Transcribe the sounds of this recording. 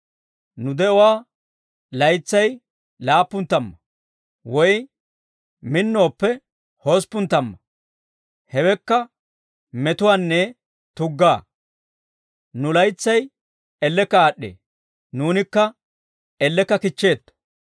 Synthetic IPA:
nʊd̪ɛʊwaː | lɐjt͡sːɐj | laːpːʊnt̪ːɐmːɐ | wɔj | mɪnːo̞ːpːɛ | hoːspːʊnt̪ːɐmːɐ | hɛwɛkːɐ | mɛt̪ʊwaːnːɛ | t̪ʊɡːaː | nʊlɐjt͡sːɐj | ɛlːɛkːɐaːɗːḛː | nuːnɪkːɐ | ɛlːɛkːɐkɪt͡ʃːe̞ːt̪ːʊ̥

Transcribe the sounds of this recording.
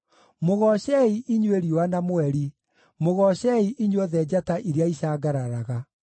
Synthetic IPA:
moɣɔɕɛiʔiɲweɾiwanamoɛɾi | moɣɔɕɛiʔiɲwɔðɛd͡ʑataʔiɾjaiɕaːɡaɾaɾaɣa

